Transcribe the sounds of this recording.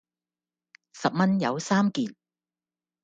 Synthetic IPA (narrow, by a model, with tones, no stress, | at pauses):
sɐ˨p̚mɐ˥njɐ˨˧wsaː˥mkiː˨n